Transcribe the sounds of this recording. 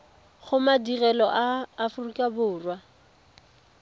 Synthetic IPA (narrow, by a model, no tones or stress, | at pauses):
ɣʊmadirɛlɔʔaːfʊrikʼabʊːrwa